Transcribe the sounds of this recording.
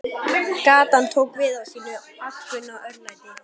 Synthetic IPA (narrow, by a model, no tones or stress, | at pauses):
kaːt̪ant̪ʰoːkvɪːðasiːnʏ | aɬkʏnaʔœɾnajt̪ɪ